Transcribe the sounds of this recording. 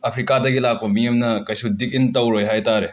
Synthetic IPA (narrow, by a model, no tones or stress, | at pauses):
ɐpʰɾikadɐɡilak̚pɐmijɐmnɐkɐjsudik̚intɐwɾojɦajtaɾe